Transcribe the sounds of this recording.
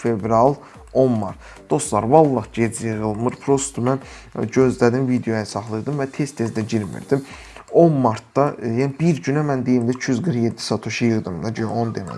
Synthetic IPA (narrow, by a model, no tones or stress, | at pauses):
fevɾɑlˠ | o̞nmɑɾt̪ | d̪̥o̞st̪lˠɑɾvɑlˠːɑχɟed͡zjɯʁɯlˠmɯɾpʰɾost̪ʰumæn | ɟø̞zlæd̪imvid̪ejojɑsɑχlˠɯɾd̪ɯmvæt̪ʰest̪ʰe̞zd̪æɟiɾmḭɾd̪im | o̞nmɑɾt̪d̪ɑjænibiɾɟynæmænd̪ejimd̪it͡ʃʰyzɡɯɾχjed̪ːi̥sɑt̪ʰuʃɯjɯʁd̪ɯmd̪ɑɟø̰ʔond̪emæ̰